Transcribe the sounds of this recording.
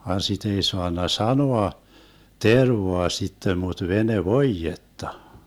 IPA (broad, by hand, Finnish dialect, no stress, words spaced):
ʋɑn sit ei soɑnːɑ sɑnoɑ terʋoɑ sitːem mut ʋeneʋoijetːɑ